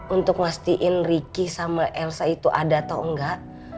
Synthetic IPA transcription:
unt̪ʊk̚mast̪iʔɪnrikisamaʔɛlsait̪uʔadat̪aəŋɡaʔ

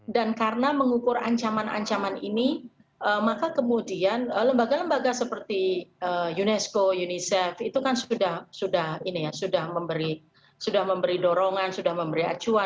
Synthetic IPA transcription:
dankarənaməŋukʊra̰ɲt͡ʃamana̰ɲt͡ʃamanḭni | ʔəmakakəmudianələmbaɡaləmbaɡasəpərt̪iəjunɛskojunisɛfit̪ukansudahsudahinijasudahməmbəɾi | sudahməmbəɾidoɾoŋansudahməmbəɾia̰t͡ʃua

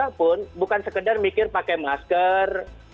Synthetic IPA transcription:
apʊnbukansəkədarmikɪrpakɛmaskər

